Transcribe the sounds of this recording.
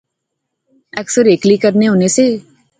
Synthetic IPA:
ɛːksəɾeːklikəɾneɦoːneseː

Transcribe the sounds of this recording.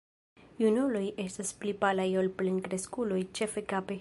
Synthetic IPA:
junulo̞jʔestasplipalajolplenkɾeskulojt͡ʃefekape

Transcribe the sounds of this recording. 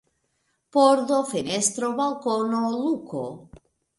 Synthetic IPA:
poɾðofenest̪ɾoβalkonoluko̰

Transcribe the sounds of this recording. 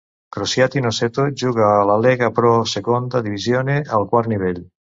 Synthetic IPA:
kɾosjat̪inoset̪od͡ʒuɡalalɛɡapɾɔsekond̪ad̪ivizjoːnealkwaɾniβɛl

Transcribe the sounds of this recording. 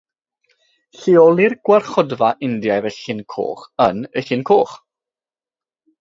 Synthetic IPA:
ɬiɔlˠirɡ̥warχɔdvaʔɪndjajvəɬɪnkʰo̰ːχənəɬɪnkʰoːχ

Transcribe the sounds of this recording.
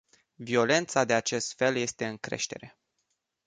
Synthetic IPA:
vio̞le̞nt̪sad̪e̞at͡ʃe̞st̪fe̞lje̞st̪e̞ɨŋkɾe̞̰ʃt̪e̞̰ɾe̞

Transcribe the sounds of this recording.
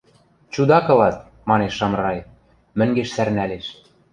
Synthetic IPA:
t͡ɕud̪ɑkɤ̆lɑt̪̚ | mɑneʃːɑmrɑj | mɘ̆ŋɡeʃsærnæleʃ

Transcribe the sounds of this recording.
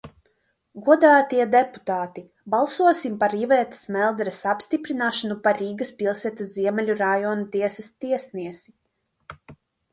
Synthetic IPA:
ɡuɔd̪aːt̪iɛd̪ɛpu̥t̪aːt̪i | balˠsuɔsimpaɾivɛːt̪ɐ̥smɛlˠd̪ɾɛsapst̪ipɾinaːʃanupaɾiːɡɐspilˠsɛt̪asziɛmɛlʲuɾajɔnut̪iɛsɐst̪iɛsniɛsi

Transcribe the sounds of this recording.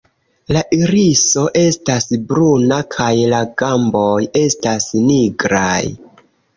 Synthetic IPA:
laʔiɾiso̞ʔe̞stasbɾunakʰajlaɡambo̞je̞stasniɡɾaj

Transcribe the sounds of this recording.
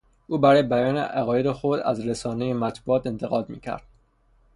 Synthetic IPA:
ʔuːbæɾɒːjebæjɒːnḛʔæɣɒːje̞d̪exo̞d̪æ̰zɾesɒːnejemæt̪ʰbuɒːt̪e̞nt̪ʰe̞ɣɒːd̪mḭːcʰæ̰ɾd̪̥

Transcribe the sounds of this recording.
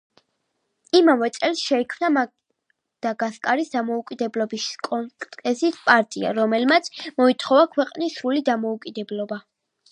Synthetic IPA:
imamɛt̪sʼɛlˠsʃɛikʰmnama | d̪̥aɡaskʼaɾisd̪amɔukʼid̪ɛblɔbiskʼɔŋk̪ʼɛsispʼaɾt̪ʼia̰ɾɔmɛlmat̪sʰmɔit̪ʰχɔvakʰwɛqʼnisɾulid̪amɔukʼid̪ɛblɔba

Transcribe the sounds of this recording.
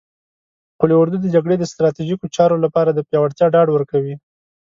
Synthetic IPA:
qulewʊɾd̪ud̪əd͡ʒaɡɽed̪əst̪ɾɑt̪iʒikot͡ʃɑɾolapɑɾad̪əpjɑwaɽt̪jɑɖɑɖwəɾkawi

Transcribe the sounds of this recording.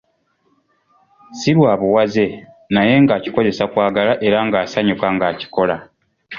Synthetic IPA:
siɾwaːβuwaze̞ | naje̞ŋɡaːci̥ko̞ze̞sakwaːɡalaʔe̞ɾaŋɡaːsaɲukaŋɡaːci̥ko̞la

